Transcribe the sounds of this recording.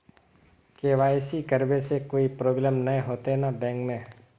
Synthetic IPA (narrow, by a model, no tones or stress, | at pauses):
keːʋaːjsikəɾbesekoːipɾoːblɛːmnɐɦẽɦoːt̪eɛnabɛ̃ːŋkmẽː